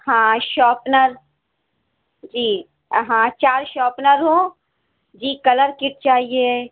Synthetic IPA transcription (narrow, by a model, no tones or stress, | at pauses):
hãːʃɔːpnəɾ | d͡ʒiː | ɦãːt͡ʃaːɾʃɔːpnəɾɦõː | d͡ʒiːkɐləɾkɪʈ̚t͡ʃaːɦie